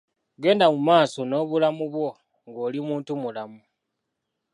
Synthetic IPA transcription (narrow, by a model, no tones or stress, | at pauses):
ɡe̞ːndamumaːso̞no̞ːβulamuβwo̞ | ŋɡo̞ːlimuːntumulamu